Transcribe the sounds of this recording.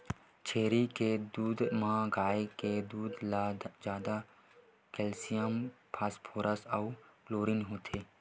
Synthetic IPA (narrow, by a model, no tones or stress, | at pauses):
t͡ʃʰeːɾiked̪uːd̪mãːɡaːeked̪uːd̪lazjaːd̪a | keːlsijəmpʰaːspʰoːɾəsɐuploːɾinɦoːt̪ʰeː